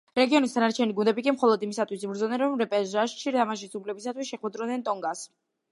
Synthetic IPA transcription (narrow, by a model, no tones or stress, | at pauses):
ɾɛɡiɔnist̪ʰanaɾt͡ʃʰɛniɡund̪ɛbikʼimχɔlˠɔd̪imisat̪ʰwisbɾd̪zɔnɛnɾɔmɾɛpʼɛʒaʃʃiɾt̪ʰamaʃisupʰlɛbisat̪ʰwisʃɛχwɛd̪ɾɔnɛnt̪ʼɔŋɡas